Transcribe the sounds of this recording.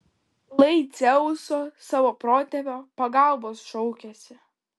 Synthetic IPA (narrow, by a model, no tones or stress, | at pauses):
lˠɐɪt̪sʲɛʊsoːsɑːʋoːpɾoːt̪ʲɛpʲoːpɐɡɑˑlˠboːsʃɔʊkʲɛsʲɪ